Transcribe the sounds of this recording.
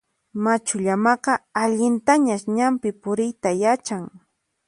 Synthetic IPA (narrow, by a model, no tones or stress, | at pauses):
mat͡ʃʊʎamɑqɑaʎɪnt̪aɲaʃɲampɪpʊɾɪjt̪ajat͡ʃaŋ